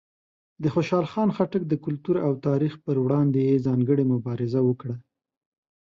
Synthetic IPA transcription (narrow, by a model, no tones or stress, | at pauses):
d̪əxoʃɑlxɑnxaʈək̚d̪əkʊlt̪uɾawt̪ɑɾixpəɾwɽɑnd̪ejezɑŋɡəɽemʊbɑɾɪzawəkɽa